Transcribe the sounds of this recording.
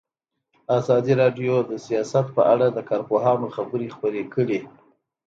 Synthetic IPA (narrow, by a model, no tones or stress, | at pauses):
azɑd̪iɾɑɖjod̪əsijɑsat̪̚pəʔaɽad̪əkɑɾpoɦɑnoxabəɾixpəɾekəɽi